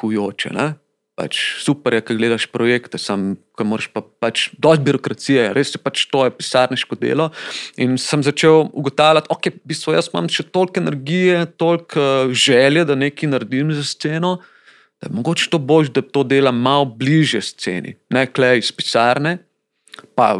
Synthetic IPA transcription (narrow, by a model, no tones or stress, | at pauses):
kujoːt͡ʃɛ̰nɛ | pa̰t͡ʃsupɛɾjɛkɐɡleːd̪aʃpɾɔjekt̪ɛsamkɐmoːɾɛʃpapat͡ʃd̪ɔs̚biɾɔkɾat̪sijɛɾʔesjɛpat͡ʃt̪oːjɛpi̥saɾnɛʃkɔd̪ḛːlɔinsəmzat͡ʃewuɡɔt̪aːwlʲat̪okɛbist̪ʋɔjəsma̰mʃɛt̪olkɛnɛɾɡijɛt̪olkəʒɛljɛd̪ɐnekinaɾd̪imzast̪seːnɔ | d̪̥ɐjmɔɡoːt͡ʃɛ̥t̪oːbolʒd̪at̪oːd̪eːlamːawbliʒjɛst̪sḛːnḭnɛklɛispi̥saɾnɛ | pa̰